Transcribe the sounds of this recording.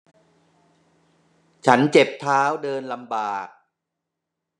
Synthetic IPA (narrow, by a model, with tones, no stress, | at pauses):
t͡ɕʰa˦˥nt͡ɕe˨˩p̚t̪ʰaː˦˥wdɤː˧nla˧mbaː˨˩k̚